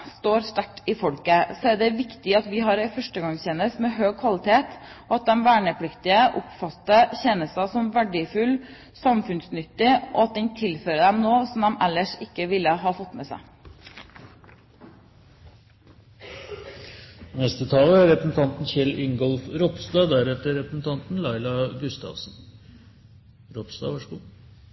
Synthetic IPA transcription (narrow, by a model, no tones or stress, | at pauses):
st̪oːɾst̪æʈiːfɔɽkəsoːæːɖɛʋɪkt̪ɪɑt̪ʋɪːɦɑɾæɪfœʂʈəɡɑŋçɛnəst̪meːɦøːɡ̚kʰʋɑlɪt̪ʰeːt̪ːɑt̪̚d̪ɛmʋæːɳəpʰɽɪkt̪ɪəʔʊpfɑt̪ːəçɛnəsɑsɔmʋæɖɪfʉl | sɑmfʉnsnʏt̪ːɪʔo̰ːɑt̪̚d̪ɛɲt̪ʰɪlføːɾəd̪ɛmnoːsɔmd̪ɛmʔɛlːəʂɪkːəʋɪlːəɦɑːfɔt̪mɛsæ̰ɪ | nɛst̪ət̪ʰɑːləæɾɾɛpɾəsn̩t̪ʰɑnt̪n̩çɛlɪŋɡɔlfɾɔpsd̪ɑːd̪æɾɛt̪əɾɛpɾəsn̩t̪ʰɑnt̪n̩lɑɪlɑɡʉst̪ɑ̰ʋsn | ɾɔpsd̪ɑ̰ːʋæʂəɡuː